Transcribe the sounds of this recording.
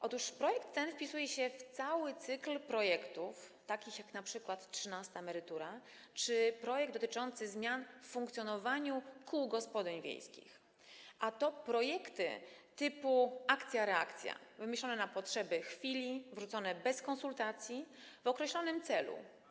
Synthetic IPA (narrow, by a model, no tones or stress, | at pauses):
ʔɔt̪uʂpɾɔjɛkt̪ːɛnfpʲisujɛɕɛft̪sawɘt̪sɘklpɾɔjɛkt̪uft̪akʲixjaknapʂɘkwat̪tʂɘnast̪amɛɾɘt̪uɾa | t͡ʂɘpɾɔjɛɡ̚d̪ɔt̪ɘt͡ʂɔnt̪sɘzmʲjanffuŋkt̪sʲjɔnɔvaɲukʰuwɡɔspɔd̪ɛɲvʲjḛjskʲḭx | ʔat̪ɔpɾɔjɛkt̪ɘ̰t̪ɘpuʔakt̪sʲjaɾɛa̰kt̪sʲja̰vɘmʲeɕlɔnɛnapɔtʂɛbɘxfʲilʲivʐut̪sɔnɛbɛskɔnsult̪at̪sʲji | vɔkɾɛɕlɔnɘmt̪sɛlṵ